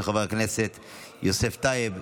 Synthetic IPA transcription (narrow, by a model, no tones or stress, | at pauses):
eχaveʁkneset̪ | joseft̪aeb